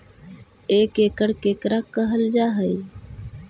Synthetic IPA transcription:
eːkeːkəɽkeːkɾaːkːəɦəld͡ʒaːɦəi

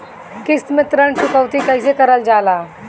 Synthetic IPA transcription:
kɪst̪mɪ̃t̪ɾəɳsʊkəʋt̪ikɐɪs̬ekɐɾəld͡ʒaːlaː

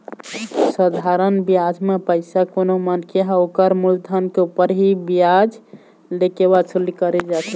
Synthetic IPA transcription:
səd̪ʱaɾənbijad͡ʒmepəɪsakonomənkeɦãokəɾmuld̪ʱankeupəɾɦibijad͡ʒ | lekeβat͡ʃʰəlikəɾɛd͡ʒasʰə

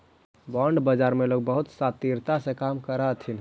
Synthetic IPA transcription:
bɔɳɖbəd͡ʒaɾmeloɡ̚bəɦut̪sat̪iɾt̪asẽkamkəɾat̪ʰin

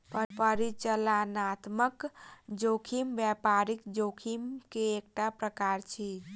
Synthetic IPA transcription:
pəɾpəɾit͡ʃəlanat̪məkd͡ʒokʰimbjapaɾikd͡ʒokʰimkeːk̚ʈapɾəkaɾt͡ʃʰi

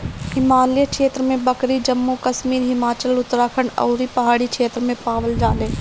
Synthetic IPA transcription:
ɪmaːljəkʃeːt̪ɾəmẽbɐkɾid͡ʒɐmːukɐʃmiːɾɦɪmaːt͡ʃəlʊt̪ːɾaːkʰənɐ̰ːɾipɐɦaːɽikʰʃʰeːt̪ɾəmẽpaːʋəld͡ʒaːlẽː

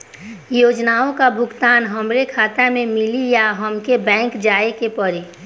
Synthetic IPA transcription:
joːd͡ʒnaːõkabʱʊɡt̪aːnɦəmɾekʰaːt̪amẽmɪlijaɦəmkebɛ̃ːŋkd͡ʒaːekepəɾi

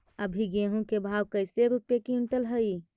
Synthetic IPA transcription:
əbʱiɡeɦũkebʱaːwkəɪseɾupjekiʊɳʈəlɦəi

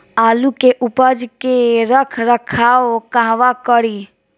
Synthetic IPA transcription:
aːlukeʔʊpəd͡ʒkeɾəkʰɾəkʰaːokãɦʋakəɽi

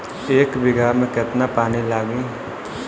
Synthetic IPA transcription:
eːkbɪɡamẽket̪napaːnilaːɡĩ

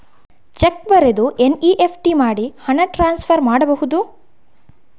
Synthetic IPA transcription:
t͡ʃekbɐɾed̪uʔeniːʔepʰʈimaːɽihɐɳɐʈɾaːnspʰɐɾmaːɽɐbɐhud̪u

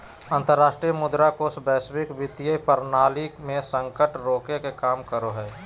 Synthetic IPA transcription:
ə̃nt̪əɾːaːʃʈɾijəmʊd̪ɾakosbɛːswɪkbɪt̪ijəpəɾnaːlikmẽsə̃ŋkəʈɾoːkekekaːmkəɾoɦɛː

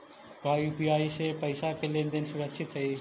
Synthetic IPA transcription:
bʱaːjuːpijaːisepəɪsakelẽːnd̪ensʊɾəkʃɪt̪ɦɐi

